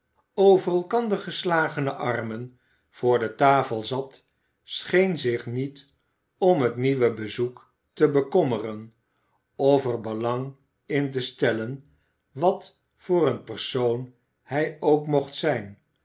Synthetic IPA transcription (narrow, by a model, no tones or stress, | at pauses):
owvərɛlˠkɑndəɹχəslaːχənəʔɑrmən | v̥ʊːɹdətaːfəlˠzɑt | sχejnzɪχnit | ɔmɦətniʋəbəzuk | təbəkɔmərən | ɔfəɹbəlɑŋ | ɪnt̬əstɛlən | ʋɑt | fʊːrənpəɹsown | hɛjowkmɔχtsɛjn